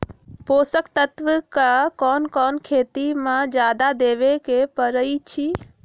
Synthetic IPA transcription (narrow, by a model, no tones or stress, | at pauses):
poːsəkt̪ət̪ʋəkakɔːnkɔːnkʰeːt̪imãd͡ʒjaːd̪ad̪eːʋekepəɾəit͡ʃʰi